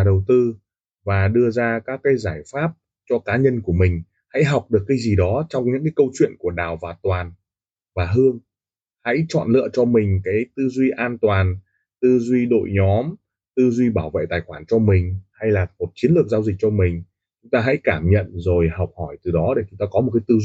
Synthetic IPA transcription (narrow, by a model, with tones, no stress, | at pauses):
ɗə˨˩wt̪ɨ˧ | vaː˨˩ɗɨ˧əzaː˧kaː˦˥kːaː˨˦jzaː˧˩jfaː˦˥p̚ | t͡ɕɔ˧kaː˨˦ɲə˧nku˧˩əmï˨˩ŋ̟ | ha̰˧˥jɦa˨˩wk͡p̚ɗɨ˨˩əkːaː˨˦jzi˨˩ɗɔ˨˦t͡ɕɔ˧wŋ͡mɲɨ̰˧˥ŋk̬aː˨˦kə˧wt͡ɕwḭ˧˨ənku˧˩əɗaː˨˩wvaː˨˩t̪waː˨˩n | vaː˨˩ɦɨ˧əŋ | ha̰˧˥jt͡ɕɔ̰˧˨nlɨ̰˧ə˨t͡ɕɔ˧mï˨˩ŋ̟kaː˨˦jt̪ɨ˧zwi˧ʔaː˧nt̪waː˨˩n | t̪ɨ˧zwi˧ɗo̰˧˨jɲɔ˨˦m | t̪ɨ˧zwi˧ɓaː˧˩wvḛ˧˨t̪aː˨˩jxwaː˧˩nt͡ɕɔ˧mï˨˩ŋ̟ha˧jlaː˨˩mo˨˩t̚t͡ɕi˨˦nlɨ˨˩əkzaː˧wzi˨˩k̚t͡ɕɔ˧mï˨˩ŋ̟ | t͡ɕʊ˨˦ŋ͡mt̪aː˧ɦa̰˧˥jkaː˧˩mɲə̰˧˨nzo˨˩jha˨˩wk͡p̚hɔ˧˩jt̪ɨ˨˩ɗɔ˨˦ɗe˧˩t͡ɕʊ˨˦ŋ͡mt̪aː˧kɔ˨˦mo˨˩t̚kaː˨˦jt̪ɨ˧